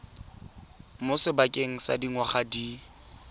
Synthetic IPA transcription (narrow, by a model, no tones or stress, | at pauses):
mʊsɪbakʼeŋ̩sa̰diŋwaχadi